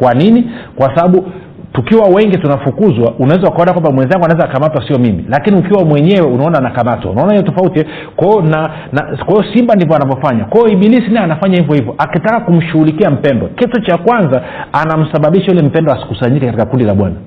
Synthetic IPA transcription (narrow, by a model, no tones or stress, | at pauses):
kwaninikwasaɓaɓu | tukiwawɛŋɡitunafukuzwaʔunawɛzaukaɔnakwambamwɛnzaŋɡuanaɛzakamatwasiɔmimḭlakiniukiwamwɛɲɛwɛunaɔnaːnakamatwa̰unaɔnahijɔtɔfautiɛ | kaɔna | nakwaiɔsimbandivɔanavjɔfaɲakwaɔiɓilisinaanafaɲahivjɔhivjɔʔakitakakum̩ʃuɣulikiam̩pɛndɔkɛtut͡ʃakwanza | anam̩saɓaɓiʃaulɛm̩pɛndɔasi̥kusaɲikɛkatikakundilaɓwa̰na